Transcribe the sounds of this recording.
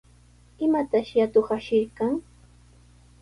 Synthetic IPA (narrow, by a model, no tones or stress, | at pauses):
ɪmat̪aʃjat̪oχaʃɪɾkaŋ